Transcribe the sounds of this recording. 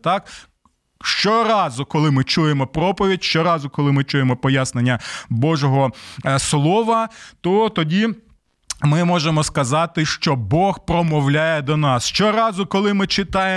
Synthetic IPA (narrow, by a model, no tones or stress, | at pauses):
t̪ɑk | ʃt͡ʃɔɾɑzʊkɔlˠɪmɪt͡ʃujemɔpɾɔpɔʋʲitʲʃt͡ʃɔɾɑzʊkɔlˠɪmɪt͡ʃujemɔpɔjasnenʲːɐbɔʒɔɦɔslˠɔʋɐt̪ɔt̪ɔdʲi | mɪmɔʒemɔskɐzɑt̪ɪʃt͡ʃɔbɔxpɾɔmɔwlʲajɛd̪ɔnɑsʃt͡ʃɔɾɑzʊkɔlˠɪmɪt͡ʃɪt̪ɑje